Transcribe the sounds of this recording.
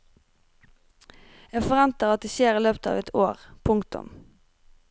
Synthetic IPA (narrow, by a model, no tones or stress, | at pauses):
jeːɡfɔʁʋɛnt̪əʁɑt̪̚d̪eːʃeːʁiːløːpət̪ɑ̰ːʋɛt̪ʰoːʁpʰʊŋkt̪ʊ̰m